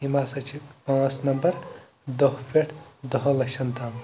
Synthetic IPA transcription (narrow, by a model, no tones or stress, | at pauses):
imasɐt͡ʃʰipãːsnɐmbɐɾ | d̪ɐɦpeʈʰd̪ɐɦlɐkʃʰɐnt̪aːm